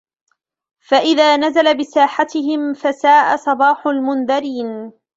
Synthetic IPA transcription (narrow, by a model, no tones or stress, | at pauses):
faʔɪðaːnazalabɪsaːħat̪ɪhɪmfasaːʔasˤɑbɑːħʊlmʊnðaɾiːn